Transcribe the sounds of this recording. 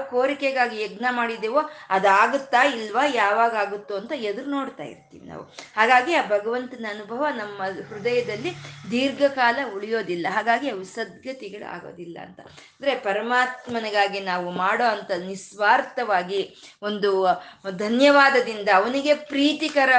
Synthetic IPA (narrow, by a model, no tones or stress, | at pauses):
koːɾikɛɡaːɡiɛɡnɐmaːɽid̪eːʋoɐd̪aːɡut̪ːailːʋɐjaːʋaːɡaːɡut̪ːuɐnt̪ɐed̪ɐɾuno̞ːɽt̪a̰ːjḭɾt̪ḭːʋina̰ːʋuhaːɡaːɡiaːbʱɐɡɐʋɐnt̪ɐnɐːnubʱɐʋɐnɐmːɐhɾud̪ɐjɐd̪ɐlːid̪iːɾɡɐkaːlɐuɭijo̞ːd̪ilːɐɦaːɡaːɡiaʋisɐd̪̚ɡʱɐt̪iɡɐɭṵa̰ːɡo̰ːd̪ilːɐ̰ːnt̪ɐ | ɐnd̪ɐɾe̞pɐɾɐmaːt̪mɐnɐɡaːɡinaːʋumaːɽo̞ːɐnt̪ɐnisʋaːɾt̪ɐʋaːɡi | o̞nd̪ud̪ʱɐnjɐʋaːd̪ɐd̪ind̪ɐːʋɐniɡe̞pɾiːt̪ikɐɾɐ